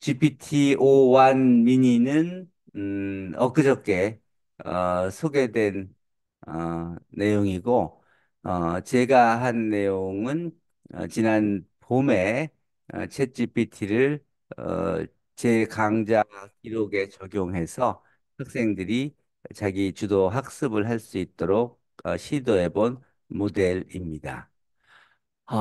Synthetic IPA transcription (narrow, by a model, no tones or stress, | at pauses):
t͡ɕipʰitʰiowanmiɲinɯn | ʌk͈ɯd͡ʑʌk̚k͈e̞ | ʌsʰoɡe̞dwe̞n | ʌːe̞joŋiɡo | ʌt͡ɕe̞ɡaɦanːe̞joŋɯn | ʌ̰t͡ɕinanpome̞ | ʌ̰t͡ɕʰet̚t͡ɕipʰitʰiɾɯɭ | ʌ̰ | t͡ɕe̞kaŋd͡ʑakiɾoɡe̞t͡ɕʌɡjoŋɦe̞sʰʌ | hak̚s͈e̞ŋdɯɾi | t͡ɕaɡit͡ɕudoɦak̚s͈ɯbɯɭɦaɭs͈uit̚t͈oɾok̚ | ʌɕʰidoe̞bon | mode̞ɾimɲida̰